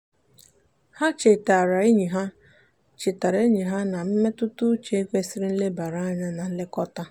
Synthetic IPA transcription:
ha˦t͡ʃe˨ta˨ɾa˨e˦ɲi˨ɦa˦ | t͡ʃɪ˨ta˨ɾa˨˦ɲi˨ɦa˦na˨m̩˦me˦tʊ˦tʊ˦t͡ʃe˦kʷe˦si˦ɾɪ˦n̩˦le˦ba˨ɾa˦ɲa˦na˨˦lɪ˦kɔ˦ta˦

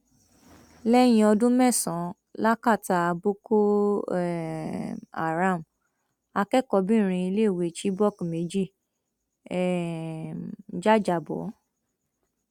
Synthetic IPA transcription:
lɛ˦j̃ĩ˧ɔ˧dũ˦mɛ̃˦˨sɔ̃˨˦ | la˦ka˦˨ta˧a˧bo˦ko˦ɛ˨ | a̰˨ɾã˦˨m | a˧kɛ˦kɔ˧bĩ˦˨ɾ̃ĩ˧i˧le˦˨we˨˧˨t͡ʃi˦bɔ˦˨kme˨˦d͡ʒi˦˨ | ɛ˨ | d͡ʒa˦˨d͡ʒa˨bɔ̰˨˦

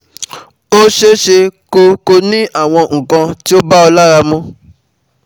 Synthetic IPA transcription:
o˦ʃe˦ʃe˧ko˧ko˧nĩ˦ʔa˦˨w̃ɔ̃˧ŋ̩̃˨kã˧ti˦o˦ba˦ɔ˧la˦ɾa˧mũ˦

